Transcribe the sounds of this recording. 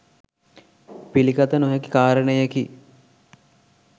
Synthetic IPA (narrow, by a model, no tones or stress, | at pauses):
pilikɐt̪ənoɦeki̥kaːɾənəjəki